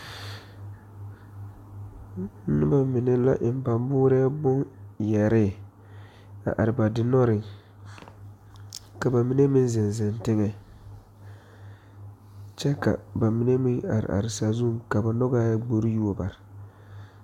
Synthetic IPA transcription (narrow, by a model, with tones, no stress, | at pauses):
ɪ˦ba˨mɪ˨nɛ˦la̰˦ʔɪ˨m˦pa˨mbʊː˦ɾɛ˦a˦bʊ˦njɛ˨ɾɪ˦˨ | a̰˨ʔa̰˨ɾɪ˨ba˨dɪ˦nɔ˦ɾɪ˨ŋ | ka˨ba˨mi˦ne˦mɪ˦n˦zɪ˨nzɪ˨ntɪ˦ŋɛ˨ | t͡ʃɛ˦ka̰˨ba˨mi˨˦ne˦mɪ˦ŋa̰˨ɾɪ̰˨ʔa̰˨ɾɪ˨sa˨zu˦˨ŋka˨ba˨nɔ˦ɡaː˦ja˦ɡ͡bo˨ɾi˦ju˦o˨ba̰˨ɾɪ˨